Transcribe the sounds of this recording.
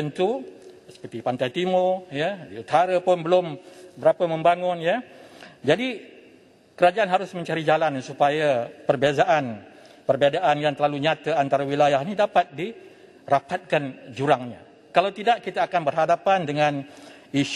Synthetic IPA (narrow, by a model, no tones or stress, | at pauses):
ənt̪u | sə̥pərt̪ipant̪ajt̪imʊrjədiut̪aɾapʊnbəlʊmbəɾapəmə̃mbaŋʊnjəd͡ʒadi | kəɾad͡ʒaʔanɦaɾʊsmə̃ɲt͡ʃaɾid͡ʒalansupajapərbezaʔan | pərbadaʔanjaŋt̪ərlaluɲat̪aant̪aɾawilajahnidapat̪̚di | rapat̪̚kand͡ʒuɾaŋɲa | kalawt̪idaʔkit̪aːkanbərɦadapandəŋãn | iʃ